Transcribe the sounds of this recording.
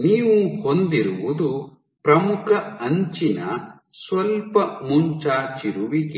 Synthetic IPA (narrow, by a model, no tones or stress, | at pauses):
niːʋuhond̪iɾuʋud̪u | pɾɐmukʰɐɐɲt͡ʃinɐ | sʋɐlpɐmuɲt͡ʃaːt͡ʃiɾuʋiɡe